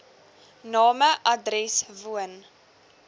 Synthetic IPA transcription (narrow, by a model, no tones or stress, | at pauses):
nɑːməʔɐdrɛsvuən